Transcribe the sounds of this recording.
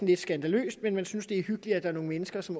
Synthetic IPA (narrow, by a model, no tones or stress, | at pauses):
n̩led̥sɡ̥ænd̥ælø̰ːsd̥menmænsynsd̥e̝æɐhyɡ̥lid̥æd̥ɑ̈ɐno̝ŋ̩menəsɡ̥ɐsɒ̽m